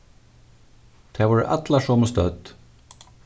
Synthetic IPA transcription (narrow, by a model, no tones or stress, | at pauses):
t̪ʰɛːvɔːɹʔa̰t̪laʂɔːməst̪œd̪